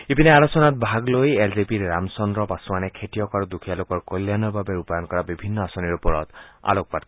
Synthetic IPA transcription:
epineaɾɔsɔnat̪̚bʱaɡlojelzipiɾːamsɔnɾɔpasɔmanekʰetijɔkaɾud̪ukʰijalokɔɹkolːjanɔbʱabeɾupajɔnkɔɾabibʱinːɔasɔniɾupɔɾɔt̪a̰lok̚pat

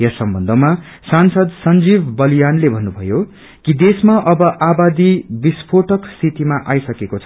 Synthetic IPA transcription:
jʌsʌmbʌnd̪ʱʌma | sansʌd̪sʌnd͡zibbʌlijanlebʱʌnːubʱʌjo | kid̪esmaʔʌbʌʔabad̪ibispʰoʈʌksit̪imaʔajsʌkekot͡sʰʌ

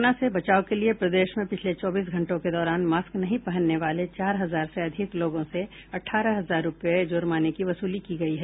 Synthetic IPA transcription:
nasebɐt͡ʃaːokeliepɾɐd̪eːʃmẽpɪt͡ʃʰlet͡ʃɔːbiːs̬ɡʱɐ̃ɳʈõked̪ɔːɾaːnmaːsknɐɦĩpɐɦə̃nːeʋaːlet͡ʃaːɾɦɐzaːɾseɐd̪ʱɪkloːɡõse | ɐʈʰːaːɾəɦɐzaːɾːʊpjed͡ʒoːɾmaːnekiʋɐsuːlikiɡɐiɦɛː

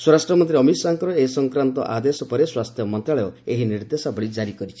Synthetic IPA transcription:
swɔɾasʈɾɔmɔnt̪̬ɾiɔmisaŋkɔɾɔesɔŋkɾant̪ɔ̰ʔad̪esɔpɔɾeswast̪ʰjɔmɔnt̪ɾaɭɔoeɦiniɾd̪esabɔɭid͡ʒaɾikɔɾit͡ʃʰi̥

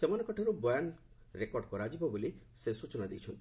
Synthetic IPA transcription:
semɔnekɔʈʰaɾubɔjan | ɾekɔɾɖkɔɾad͡ʒibɔboli | sesut͡ʃɔnad̪ejt͡ʃʰɔnt̪i

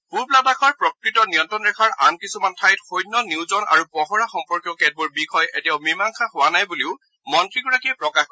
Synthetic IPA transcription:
huɹpladakʰɔɹpɹɔkɹitɔnijɔntɔnɹɛkʰaɹa̰nkisumantʰajtxojnːɔniwzɔna̰ɹupɔɦɔɹaxɔmpɔɹkjɔkɛt̚buɹbikʰɔjɛtijaʊmimaŋkʰahʊwanajbuliʊ | mɔntɹiɡɔɹakiɛpɹɔka

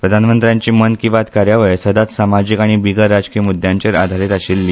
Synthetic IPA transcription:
pɾəd̪ʱanmənt̪ɾjãɲt͡ɕiːmənkĩʋat̪kaɾjaʋəɭsəd̪at̪samad͡ʑikaɽ̃ibiɡəɾad͡zkijəmud̪ʱjaɲt͡ɕaɾad̪ʱaɾit̪aɕilːi

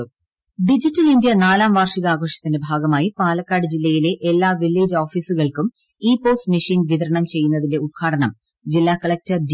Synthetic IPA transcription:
ɖid͡ʑitːɐlindjɐnaːlaːmʋaːrʂiɣɐaːɣo̞ːʂjɐt̪ːinde̞bʱaːɡɐmaːjipaːlɐkːaːɽɨd͡ʑilːɐjile̞ʔelːaːʋilːeːd͡ʑoːfiːsuɣɐɭkum | iːpo̞ːsmiʂiːnʋiðɐɾɐɳɐmt͡ɕe̞jːunːɐðinde̞ut̪̚kʰaːʈɐɳɐm | d͡ʑilːaːkɐɭek̚tɐrd

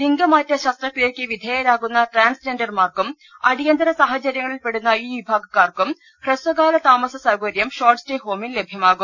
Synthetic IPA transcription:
liŋɡɐmaːtːɐɕɐst̪rɐkliekʲːɨʋid̪ʱeːjɐɾaːɣunːɐʈraːnsd͡ʑendɐrmaːrkum | ɐɽijɐnd̪ʱɐɾɐsaːhɐt͡ɕɐɾjɐŋːɐɭilpe̞ɽunːɐiːʋibʱaːɡɐkːaːrkum | presʋɐɣaːlɐt̪aːmɐsɐsɐɡoɾjɐmɕoːrʈsteːɦo̞ːminle̞bʱjɐmaːɣum

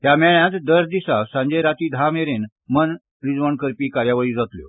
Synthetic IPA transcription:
ɦjamɛɭjãt̪d̪əɾd̪isasãɲd͡ʑeɾat̪iːd̪ʱameɾen | mən | ɾid͡zʋəɳkəɾpiːkaɾjaʋəɭiːd͡zat̪ljo̰

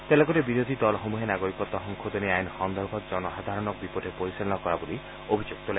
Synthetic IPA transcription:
t̪elɔɡɔɾebiɾod̪ʱid̪ɔlɔɦomuɦenaɡoɾikɔt̪ːɔɦɔŋkʰod̪ɔneajnhɔnd̪ʱɔɾbʱɔt̪d͡ʒɔnɔɦad̪ʱaɾɔnɔk̚bipɔdʱepoɾisilɔnɔkɔɾaboli | obʱid͡ʒuk̚t̪ɔla

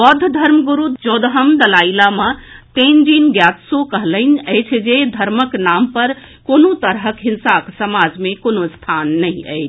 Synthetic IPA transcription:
ʋəd̪ʱːd̪ʱəɾmɡuɾut̪d͡ʒod̪əɦəmd̪əlailamət̪end͡ʒinɡjat̪sokəɦlənəjt͡ʃʰd͡ʒed̪ʱəɾməknampəɾ | konot̪əɾɦəkɦinsaksəmad͡ʒmekonost̪ʰanːəĩə̰jt͡ʃʰ

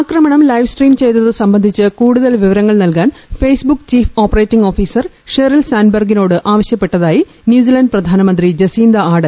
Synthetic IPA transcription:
aːkrɐmɐɳɐmlɐjʋsʈriːmt͡ɕe̞jt̪ːɐðɨsɐmbɐnd̪ʱit͡ɕːɨkuːɽuðɐlʋiʋɐɾɐŋːɐɭnɐlkaːnfeːsbukːt͡ɕiːfo̞ːpːɐreːtːiŋɡo̞ːfiːsɐr | ʂeɾɐlsaːnbɐrɡino̞ːɽɨʔaːʋɐɕjɐpːe̞ʈːɐðaːji | njuːs̬ilɐnɖɨprɐd̪ʱaːnɐmɐnd̪rid͡ʑɐsiːnd̪ɐaːɽɐl

